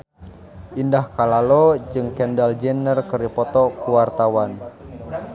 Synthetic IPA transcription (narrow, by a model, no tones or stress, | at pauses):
ʔindahkalalɔd͡ʒɨŋkɛndald͡ʒɛnərkəɾipɔt̪ɔkuwart̪awan